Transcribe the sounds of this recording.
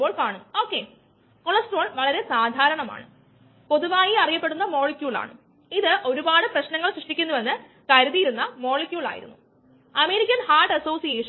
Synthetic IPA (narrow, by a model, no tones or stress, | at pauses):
o̞ːɭkaːɳuo̞ːkːe | koɭɐsʈo̞ːɭʋɐɭɐɾe̞saːd̪ʱaːɾɐɳɐma̰ːɳɨ̰ | po̞ðuʋaːjiɐrijɐpːe̞ɽunːɐmo̞ːɭikʲːjuːɭa̰ːɳɨ̰ | iðɨʔo̞ɾubaːɽɨprɐɕnɐŋːɐɭɕrɨʂʈikʲːunːuʋɐnːɨ | kɐɾuðijiɾunːɐmo̞ːɭikʲjuːɭa̰ːjḭɾṵnːu | ɐme̞ːɾikʲːɐnhaːɖɐso̞ːsijeːʂɐn